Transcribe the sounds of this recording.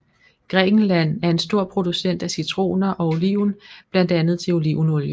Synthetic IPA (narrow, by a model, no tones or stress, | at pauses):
ɡ̥ʁɛːɡ̥n̩læn̰æɐe̝nsd̥o̝ɐ̰pʰʁo̝d̥usen̰d̥æsit͡sʰʁo̝̰ːnɐʔɒ̽o̝liʊ̰nb̥læn̰d̥ænð̞̩ˠt͡sʰe̝o̝liʊnɔljə